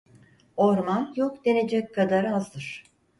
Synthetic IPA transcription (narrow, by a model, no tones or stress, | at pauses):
oɾmanjokd̪e̞ne̞d͡ʒɛc̚kʰad̪aɾɯazd̪ɯɾ̥